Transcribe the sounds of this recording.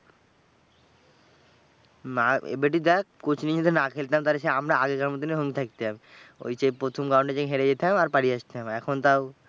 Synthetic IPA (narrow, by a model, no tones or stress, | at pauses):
maḛbeʈ̬id̪ɛkkot͡ɕʰnid͡ʑed̪ʱenakʰelt̪eamt̪aɾeʃeamɾaaɡekaɾmot̪ineɦoŋɡit̪ʰak̚t̪eɦamo̰jt͡ɕepɾot̪ʰomɡãw̃ɳɖed͡ʑakɦeɾed͡ʑet̪eɦamaɾpaɽieaʃt̪eɦamɛkʰont̪aw